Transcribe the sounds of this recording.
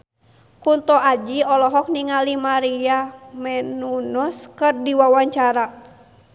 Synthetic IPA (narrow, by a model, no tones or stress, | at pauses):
kunt̪ɔad͡ʒiɔlɔɦɔk̚niŋalimaɾiamɛnunɔskɨrdiwawaɲt͡ʃaɾa